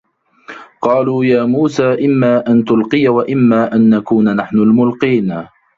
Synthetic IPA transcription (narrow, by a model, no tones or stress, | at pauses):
qɑːluːjaːmuːsaːʔɪmːaːʔant̪ʊlqɨjawaʔɪmːaːʔanːakuːnanaħnʊlmʊlqiːn